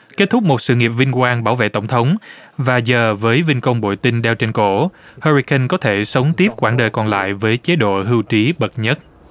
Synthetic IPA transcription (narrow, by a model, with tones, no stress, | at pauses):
ke˦˥t̚t̪ʰʊ˦˥k͡p̚mo˨˩t̚sɨ̰˧˨ŋi˨˩əp̚vï˧ŋ̟kwaː˧nɓaː˧˩wvḛ˧˨t̪ə˧˩wŋ͡mt̪ʰə˨˦wŋ͡mvaː˨˩zəː˨˩vəː˨˦jvï˧ŋkə˧wŋ͡mɓo̰˧˨jt̪ï˧ŋɗɛ˧wt͡ɕe˧nko˧˩həː˧ɹi˧kə˧nkɔ˨˦t̪ʰe˧˩sə˨˦wŋ͡mt̪i˦˥əp̚kwaː˧˩nɗəː˨˩jkɔ˨˩nla̰ː˧˨jvəː˨˦jt͡ɕe˨˦ɗo̰˧˨ɦɨ˧wt͡ɕi˨˦ɓə˨˩t̚ɲə˦˥t̚